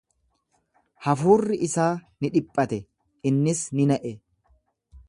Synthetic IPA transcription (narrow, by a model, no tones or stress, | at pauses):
hɐfuːrːɪʔɪsaːnɪᶑɪpʼːɐt̪ɛ | ɪnːɪsnɪnɐʔɛ